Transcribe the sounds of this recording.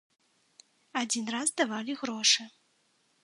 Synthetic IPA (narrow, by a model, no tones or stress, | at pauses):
ad͡zʲinrazd̪avalʲiɣɾɔʂɨ